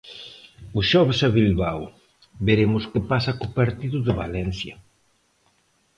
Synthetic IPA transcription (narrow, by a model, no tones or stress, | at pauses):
ʊsʃɔβɪsaβilβaw | beɾemʊskɪpasɐkʊpaɾt̪iðʊðɪβa̰lɛnθjɐ